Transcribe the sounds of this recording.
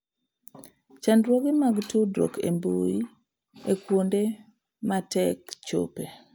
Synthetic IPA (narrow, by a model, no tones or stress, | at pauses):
t͡ʃandɾwoɡɪmaɡtudɾo̰kʰḛmbo̰i | ekwonde | matɛkt͡ʃo̰pe